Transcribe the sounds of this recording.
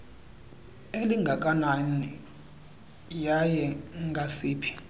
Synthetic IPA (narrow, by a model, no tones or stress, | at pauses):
eliŋɡʱak̬ʼanani | jajɛŋɡʱasiːpʰi̥